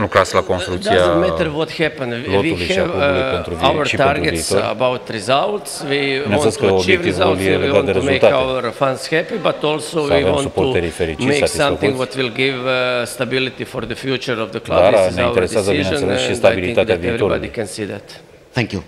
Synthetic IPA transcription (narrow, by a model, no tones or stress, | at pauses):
lukɾaslakonst̪ɾukt̪d̪iaz̃mɛəɾʋɔt̪hɛpə̃nloviuluʃiavoulujpent̪ɾuvawəɾʃip̪tenɾuɡeiistoɾə̰bawt̪ɾizalt̪swiiñssəobevt̪ivaluljeeiɡatnd̪eɾemult̪atawəɾfãnshɛpibat̪olsoʋaiveɔm̃supout̪ːeɾifeɾit͡ʃmiesaisãmkθɪŋɡʋɔt̪wɪlˠɡɪvst̪abɪlɪt̪ifɔɾðəfjut͡ʃəɾɔvðəkldaaɾaneaiwt̪eɾeseaszəd̪innnselesʃist̪abilit̪at̪eavivɾoɾald̪ikɛ̃nsid̪ɛ̰t̪ | θɛ̃ŋkju